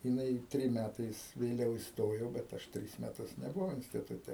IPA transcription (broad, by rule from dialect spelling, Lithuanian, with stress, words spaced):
jɪˈnɐɪ ˈtʲrʲɪm ˈmʲætɐɪs ʋʲeːˈlʲɛʊ ɪsˈtoːjoː bʲɛt ˈɐʃ ˈtʲrʲɪs mʲɛˈtʊs nʲɛbʊˈʋɐʊ ɪnʲsʲtʲɪtʊˈtʲɛ